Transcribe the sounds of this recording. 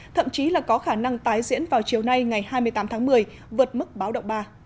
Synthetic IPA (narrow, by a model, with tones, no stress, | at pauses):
t̪ʰə̰˧˨mt͡ɕi˨˦laː˨˩kɔ˨˦xaː˧˩na˧ŋt̪aː˨˦jzḭ˧˥ənvaː˨˩wt͡ɕi˨˩əwna˧jŋa˨˩jhaː˧jmɨ˧əjt̪aː˨˦mt̪ʰːmɨ˨˩əj | vɨ˨˩ət̚mɨ˦˥k̚ɓaː˨˦wɗə̰˧˨wŋ͡mɓaː˧